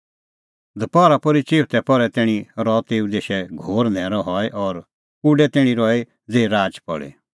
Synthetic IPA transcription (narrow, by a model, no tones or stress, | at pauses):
d̪ʱɐpɔɾapɔɾit͡ʃeːʋt̪ɛpɔɾɛt̪ɛːɽ̃iɾɔt̪eːud̪eːʃɛɡʱoːɾnʱɛ̃ːɾɔɦɔɛʔɔɾ | uɖɛt̪ɛːɽ̃ĩɾɔe | d͡zeːɾaːd͡ʒpɔ̰ɭḛ